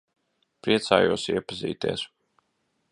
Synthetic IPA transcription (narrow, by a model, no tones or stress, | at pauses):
pɾiɛt̪sa̰ːjuɔsiɛpazḭːt̪ḭɛs